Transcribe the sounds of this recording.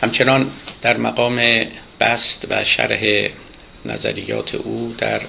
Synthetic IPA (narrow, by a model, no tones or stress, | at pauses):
hæmt͡ʃʰe̞nɒːnd̪̥æɾmæɡɒːmeb̥æst̪væʃæ̰ɾhe | nʔæ̰zæ̰ɾijːɒ̰ːt̪ʰḛʔuːd̪̥æɾ